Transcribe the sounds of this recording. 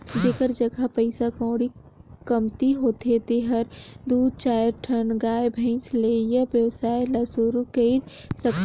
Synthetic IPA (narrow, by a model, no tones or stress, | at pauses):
d͡ʒeːkəɾd͡ʒəɡapəɪsakɔ̃ːɽi | kɐmt̪iɦoːt̪et̪eɦəɾd̪uːd̪̚t͡ʃaːjəɾʈʰənɡaːjbʱə̃ɪ̃nsleːjaʋjəʋsaːjlaːsuɾukeid̪ | sɐk